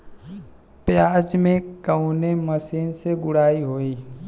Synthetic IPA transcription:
pjaːd͡ʒmẽkəuneməsiːnseɡʊɽaːiɦoːiː

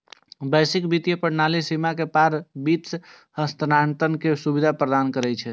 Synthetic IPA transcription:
bəjsikbit̪jepəɽnalisimakepaɾbit̪s | həst̪ənaɳt̪ənkesubid̪ʱapɾəd̪ankəɾɛjt͡ʃʰɛ

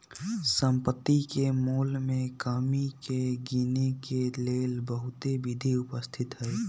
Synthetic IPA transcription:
sə̃mpət̪ːikemuːlmẽkaːmikeɡiːnikeleːlbəɦʊt̪eʋɪd̪ʱiʊpəst̪ʰɪt̪ɦɛː

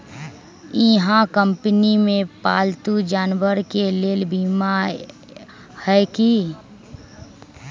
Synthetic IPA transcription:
ɪɦãkə̃mpnimẽpaːlt̪ud͡ʒaːnwəɾkeleːlbima | hɛki

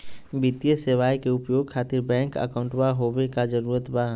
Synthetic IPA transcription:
bit̪ijəseʋaːjkeʊpjoːɡ̚kʰaːt̪ɪɾbɛ̃ːŋkə̰kəʊ̃ɳʈbaɦowekad͡ʒəɾuːɾət̪ba

